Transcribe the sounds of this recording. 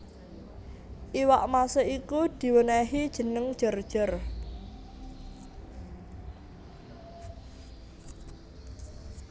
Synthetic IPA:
ʔiwaʔmasəikud̪̥i̤wənɛɦid̥ʒ̥ə̤nəŋd̥ʒ̥ə̤rd̥ʒ̥ər

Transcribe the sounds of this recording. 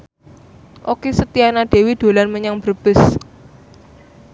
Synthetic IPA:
ʔokesət̪ianad̪̥e̤wid̪̥o̤lanməɲaŋb̥ərb̥ɪs

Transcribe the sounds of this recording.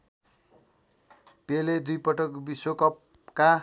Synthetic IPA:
peled̪ujpʌʈʌkbisokʌp | ka

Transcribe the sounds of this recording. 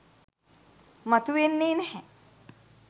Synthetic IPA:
mɐt̪uʋenːeːnɛhɛ

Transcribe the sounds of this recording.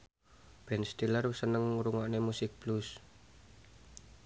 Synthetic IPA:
b̥ɛnst̪ilərusənəŋɾuŋaʔnemusɪk̚b̥lus

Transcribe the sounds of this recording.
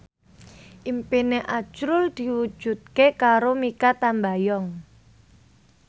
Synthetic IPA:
ʔimpineʔat͡ʃɾʊld̪̥i̤wu̥ʒ̥ṳt̪̚kekaɾomikat̪ambajɔŋ

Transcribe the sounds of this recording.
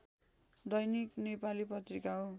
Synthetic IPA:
d̪ʌjniknepalipʌt̪rikaɦo

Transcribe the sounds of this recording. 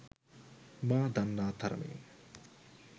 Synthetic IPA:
maːd̪ɐnːaːd̪ʰʱɐɾmḭ

